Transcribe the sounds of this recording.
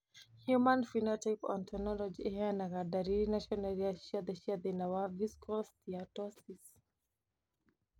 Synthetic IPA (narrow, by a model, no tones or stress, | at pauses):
hjumanfinatipɔ̰ntʰɔnɔlɔd͡ʒiɛhɛanaɣadaɾinaʃɔnaliaʃiaðɛʃiaðɛnawaviskʰɔst̪iatɔsis